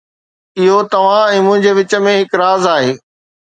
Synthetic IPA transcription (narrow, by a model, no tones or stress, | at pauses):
ɪɦot̪ɐʋ̤ãɛ̃ːmʊ̃ɦɪ̃ɲd͡ʑeːʋɪt͡ɕə̆mẽɦɪkɾaːzaːɦeː